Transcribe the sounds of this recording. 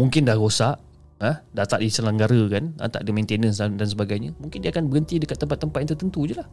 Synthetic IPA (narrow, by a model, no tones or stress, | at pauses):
muŋkɪndahɾosaʔ | əhdat̪aʔdisəlaŋɡaɾəkana̰t̪a̰ʔdimẽnt̪enənsadansəbaɡajɲəmũŋkɪndiakanbəɾənt̪idəkat̪ːəmpat̪ːəmpat̪jant̪ərt̪ənt̪ud͡ʒulah